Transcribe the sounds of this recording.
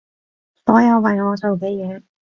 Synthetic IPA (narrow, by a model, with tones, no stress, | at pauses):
t̪ɔː˨˥jɐ˧wmɐ˨jŋɔː˨˧t͡so˨wk̬e˨˧jjɛː˨˧